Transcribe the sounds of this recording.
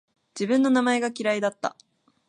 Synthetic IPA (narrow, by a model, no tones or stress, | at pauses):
d͡ʑibɯ̟̃nːo̞namae̞ɡakʲiɾaid̪at̪ːa̰